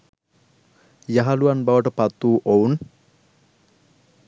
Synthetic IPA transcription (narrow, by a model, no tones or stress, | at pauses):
jaɦaluanbawəʈəpat̪ːuːʔown